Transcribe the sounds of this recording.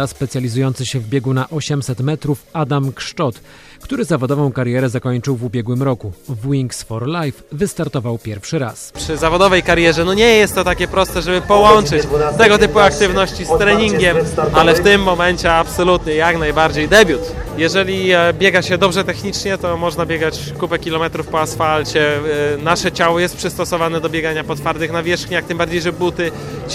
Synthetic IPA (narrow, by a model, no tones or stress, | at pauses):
aspɛt̪sʲjalʲizujɔnt̪sɘɕɛvbʲjɛɡunaʔɔɕɛmsɛt̪mɛt̪ɾufad̪amkʂt͡ʂɔt̪ | kt̪uɾɘzavɔd̪ɔvɔ̃w̃kaɾjɛɾɛzakɔɲt͡ʂɘwvubʲjɛɡwɘmɾɔkuvwiŋksfɔɾlajfvɘst̪aɾt̪ɔvawpʲjɛɾfʂɘɾa̰spʂɘzavɔd̪ɔvɛjkaɾjɛʐɛnɔɲɛjɛst̪ːɔt̪akʲɛpɾɔst̪ɛʐɛbɘpɔwɔnt͡ʂɘt͡ɕt̪ɛɡɔt̪ɘpuak̚t̪ɘvnɔɕt͡ɕist̪ɾɛɲiŋɡʲɛmʔalɛft̪ɘmːɔmɛɲt͡ɕɛapsɔlut̪ɲɛjaknajbaɾd͡ʑejd̪ɛbʲjut̪jɛʐɛlʲibʲjɛɡaɕɛd̪ɔbʐɛt̪ɛxɲit͡ʂɲɛt̪ɔmɔʐnabʲjɛɡat͡ɕ | kupɛkʲilɔmɛt̪ɾufpɔasfalt͡ɕɛnaʂɛt͡ɕawɔjɛst̪pʂɘst̪ɔsɔvanɛd̪ɔbʲjɛɡaɲapɔt̪faɾt̪ɘxnavʲjɛʂxɲakt̪ɘmbaɾd͡ʑejʐɛbut̪ɘ